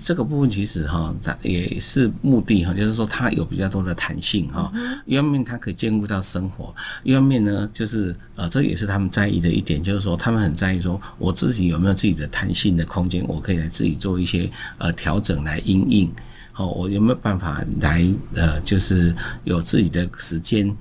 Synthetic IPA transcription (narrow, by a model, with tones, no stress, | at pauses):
ʈ͡ʂɤ˥˩ɡə˨˧pu˥˧fə˥˨nt͡ɕʰi˧˥ʂɻ̩˨˩xɔ˥˩jɛ̰˨˩ʂɻ̩˥˧mu˥˧t̪i˥˨xɔ˥˩t͡ɕjo˥˧ʊʂɻ̩˥˩ʂwɔ˥t̪ʰa˥jo̰˨ʊpi˨˩t͡ɕjɑ˥˩ʊt̪wɔ˥d̪ə˨t̪ʰa˧˥nɕi˥˩ŋhɔ̰˥˩y˥˧wmjɛ˥˨nt̪ʰa˥kʰɤ˧˥i˨˩t͡ɕjɛ˥˧nku˥˧t̪ɑ˥˩ʊʂə˥ŋxwɔ̰˧˥˦y˥wa˥˧mjɛ˥˩nnə˩t͡ɕjo˥˧ʊʂɻ̩˥˩ | ə˨ʈ͡ʂə˥˩ə˨jɛ̰˨˩ʂ̬̩ʰ˥˧a˥mə˨nt͡sa˥˧ɪḭ˥˩d̪ə˩ʔḭ˥˩t̪jɛ˨˩nt͡ɕjo˥˧ʊʂɻ̩˥˩ʂwɔ˥t̪ʰa˥mə˨nxə˨˩nt͡sa˥˧ɪi˥˩ʂwɔ˥ | wʔɔ˨˩t͡sɹ̩˥˩t͡ɕi˨˥jo˨˩me˧˥jo˨ʊt͡sɹ̩˥˩t͡ɕi˨˩d̪ə˦t̪ʰa˧˥nɕi˥˩nd̪ə˩kʰʊ˥ŋt͡ɕjɛ˦nwʔɔ̰˨˩kʰɤ˧˥i˨˩la˧˥ɪt͡sɹ̩˥˩t͡ɕi˨˩t͡swɔ˥˧i˥˩ɕjɛ˥ʔə˨t̪ʰjɑ˧˥ʊʈ͡ʂɤ˨˩ŋla˧˦ɪʔi˥ŋi˥˩ŋ | xɔ˥˩wʔɔ̰˨˩jo˨˩me˧˥jo˨˩pa˥˩nfa̰˨˩la̰˧˦ɪə˩t͡ɕjo˥˧ʊʂɻ̩˥˩jo˨˩ʊt͡sɹ̩˥˩t͡ɕi˨˩d̪ə˦ʂɻ̩˧˥t͡ɕjɛ˦˥n